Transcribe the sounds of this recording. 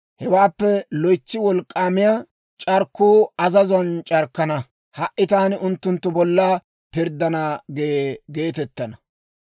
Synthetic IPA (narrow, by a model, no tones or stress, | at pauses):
hɛwaːpːɛlɔjt͡ʃːɪwɔlkʼːaːmɪja | t͡ʃʼɐɾkːuːɐzɐzɐnt͡ʃʼɐɾkːɐnɐ | hɐʔʔɪt̪aːnɪʊnt̪ːʊnt̪ːʊbɔlːa | pɪɾd̪ːɐnaːɡeɡe̞ːt̪ɛt̪ːɐnɐ